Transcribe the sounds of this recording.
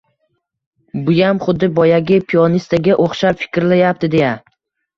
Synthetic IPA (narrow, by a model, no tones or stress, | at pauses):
bʊjamχʊd̪ːɪbɒjaɡʲɪpʰiɒnist̪aɡʲaʔoχʃapfɪ̥kʲɾlajap̚t̪ɪd̪e̞ja